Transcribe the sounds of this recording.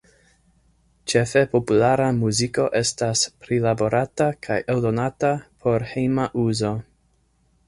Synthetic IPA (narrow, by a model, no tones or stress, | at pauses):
t͡ʃe̞fe̞po̞pulaɾamuziko̞ʔe̞staspɾilabo̞ɾatakʰajʔeldo̞natapʰo̞ɾhejmaʔuzo̞